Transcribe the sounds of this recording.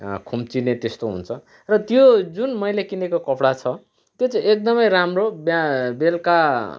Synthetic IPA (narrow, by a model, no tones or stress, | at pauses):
kʰumt͡sinet̪est̪oɦṵnt͡sʰʌ | rʌt̪jod͡zunmʌjlekinekokʌpɽat͡sʰʌ | t̪jot͡sʌjek̚d̪ʌmʌjramrobjabelka